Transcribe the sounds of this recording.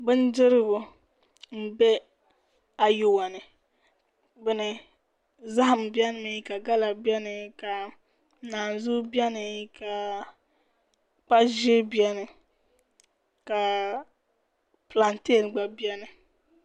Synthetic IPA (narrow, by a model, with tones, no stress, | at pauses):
bɨ˦n˦dɪ˦ɾɪ˦ɡʊ˨ | m̩˦˨bɛ˦ | a˨ju˦wa˨nɨ˨ | bɨ˦nɨ˨ | za˦ha˨m˨bi˦ɛ˦n˦mɨ˨˦ka˨ɡa˦la˨bɛ˦nɨ˨˦ka˨ | naː˨n˨zu˦bi˦ɛ˦nɨ˨˦ka˨ | k͡pa˦ʒe˦bi˦ɛ˦nɨ˨ | ka˨ | pla˨nte˦˨lɡ͡ba˨bi˦ɛ˦nɨ˨